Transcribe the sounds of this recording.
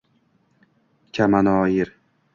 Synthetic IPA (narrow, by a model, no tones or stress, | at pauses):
kʲʰamanɒːjɪɾ